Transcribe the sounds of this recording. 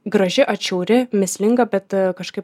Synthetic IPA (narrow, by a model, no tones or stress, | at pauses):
ɡɾɐʒʲɪʔɐt͡ʃʲɛʊɾʲɪmʲɪsʲlʲɪŋɡɐbʲɛt̪kɐʃkɐɪp